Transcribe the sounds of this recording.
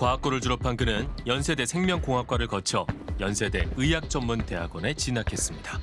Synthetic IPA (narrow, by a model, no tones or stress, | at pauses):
kwaːk͈oɾɯɭtuɾʌpʰankɯnɯnjʌnsʰe̞de̞sʰe̞ŋmjʌŋkoŋɦak͈waɾɯɭkʌt͡ɕʰʌjʌnsʰe̞de̞ɯjak̚t͡ɕ͈ʌmːunte̞ɦaɡwʌne̞t͡ɕinakʰe̞s͈ɯmɲida